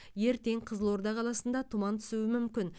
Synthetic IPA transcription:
je̞ɾt̪e̞ɴqʰəzəlˠwo̞ɾd̪ɑqʰɑlˠɑsənd̪ɑt̪ʰʊmɑnt̪ʰʏ̥suwɪmʏmkʲɪn

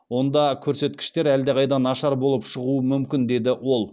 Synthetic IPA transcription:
wo̞nd̪ɑkʲʰɵɾse̞t̪kʲɪ̥ʃt̪e̞ɾæld̪eʁɑjd̪ɑnɑʃɑɾbo̞lˠəpʃəʁuəmʏmkʲɪnd̪e̞d̪ɪwo̞lˠ

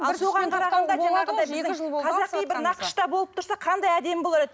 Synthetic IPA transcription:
ɑlso̞ʁɑɴqʰɑɾɑɑnd̪ɑʒɑnɑʁənd̪ɑɪzɪqʰɑzɑqːijbɪɾnɑqə̥ʃt̪ɑbo̞lˠəpt̪ʊɾsɑqʰɑnd̪ɑjæd̪e̞mbolˠɑɾed̪ɪ

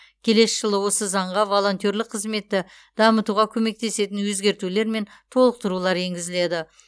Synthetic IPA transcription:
kʲʰe̞le̞sʒ̥əlˠəwo̞səzɑɴʁɑvo̞lˠo̞nt̪o̞ɾlɪqʰəzme̞t̪ːɪ | d̪ɑmət̪uʁɑkʲʰɵme̞k̚t̪e̞se̞t̪ɪnwɵzɡʲe̞ɾt̪ule̞ɾme̞n | t̪ʰo̞lˠəq̚t̪əɾulˠɑɾe̞ŋɡʲɪzɪle̞d̪ɪ

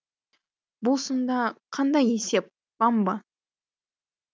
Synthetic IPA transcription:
bʊlˠsənd̪ɑqʰɑnd̪ɑjese̞p̚ | b̥ɑmbɑ

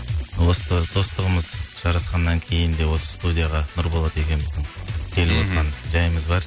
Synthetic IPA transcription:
wosəd̪̥o̞st̪əʁəməzʒ̥ɑɾɑsqɑnːɑŋkʲʰe̞jɪnd̪e̞wo̞sə̥st̪ud̪ʲijaʁɑnʊɾbolˠɑt̪e̞kʲe̞nmɪzd̪ɪŋt̪ʰelwot̪ʁɑnʒɑjəməzbɑɾ

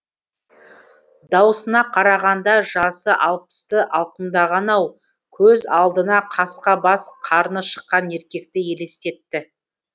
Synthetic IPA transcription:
d̪ɑwəsənɑqʰɑɾɑʁɑnd̪ɑʒɑsəʔɑlˠpə̥st̪əʔɑlˠqəmd̪ɑʁɑnɑw | kʲʰɵzɑlˠd̪ənɑqʰɑsqɑbɑsqʰɑɾnəʃə̥qːɑne̞ɾkʲe̞k̚t̪ɪje̞le̞st̪e̞t̪ːɪ

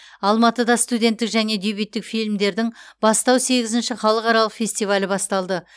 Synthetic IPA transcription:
ɑlˠmɑt̪əd̪ɑst̪ud̪ʲe̞nt̪ːɪkʒæne̞d̪ejbijt̪ːɪkfijlʲmd̪e̞ɾd̪ɪŋb̥ɑst̪ɑwse̞ɡʲɪzɪnʃɪχɑlˠəqɑɾɑlˠəqfʲe̞sʲt̪ijvalʲɪbɑst̪ɑlˠd̪ə

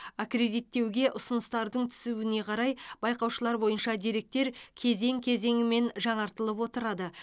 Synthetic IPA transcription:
akre̞d̪ijt̪ːe̞wɡʲe̞ʔʊsənəst̪ɑɾd̪əɴt̪ʰʏ̥suwɪne̞qʰɑɾɑjb̥ɑjqɑwʃəlˠɑɾbo̞jənʃɑd̪eɾe̞k̚t̪e̞ɾkʲʰe̞ze̞ŋkʲʰe̞ze̞ŋɪme̞nʒɑɴɑɾt̪əlˠəpwo̞t̪əɾɑd̪ə

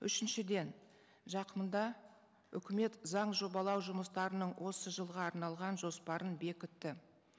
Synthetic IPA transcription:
ʏ̰ʃɪnʃɪd̪e̞n | ʒɑqəmənd̪ɑ | ʏ̰kʲɪme̞t̪zɑɴʒo̞bɑlˠɑwʒʊməst̪ɑɾənəɴwʔo̞səʒəlˠʁɑːɾnɑlˠʁɑnʒo̞spɑɾʔənbe̞kʲʏt̪ːɪ

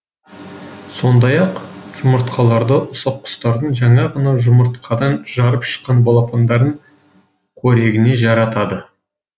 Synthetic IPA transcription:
so̞nd̪ɑjɑqʒ̥ʊməɾt̪qʰɑlˠɑɾd̪əʔʊsɑqʰːʊ̥st̪ɑɾd̪əɴʒɑɴɑʁɑnɑʒʊmʊɾt̪qʰɑd̪ɑnʒɑɾəpʃə̥qːɑnbolˠɑpʰand̪ɑɾd̪əɴ | kʰɵɾe̞ɡʲɪne̞ʒɑɾɑt̪ɑd̪ə

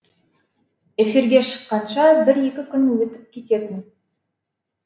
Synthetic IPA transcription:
e̞fiɾɡʲe̞ʃə̥qːɑnʃɑbɪɾe̞kʲɪkʲʰʏnwɵt̪ɪp̚kʲʰe̞t̪e̞t̪ɪn

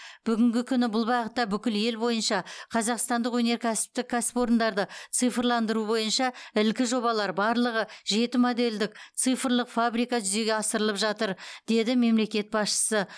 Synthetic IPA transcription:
b̥ʏɡʲɪŋɡʲɪkʲʰʏnɪbʊlˠbɑqət̪ːɑbʏkʲɪlje̞lbo̞jənʃɑqʰɑzɑqst̪ɑnd̪əqwɵne̞ɾkʲʰæsɪ̥p̚t̪ɪkʲʰːæsɪ̥po̞ɾənd̪ɑɾd̪ət̪sɨjfəɾlˠɑnd̪əɾubo̞jənʃɑɪlkʲɪʒo̞βɑlˠɑɾbɑɾlˠəʁəʒe̞t̪ɪmo̞d̪e̞ld̪ɪk̚tt̪sɨjfɾlˠəqfabɾijkɑʒʏze̞ɡʲeɑsəɾəlˠəpʒɑt̪əɾd̪̥e̞d̪ɪme̞mle̞kʲe̞t̪̚bɑsʃə̥sə

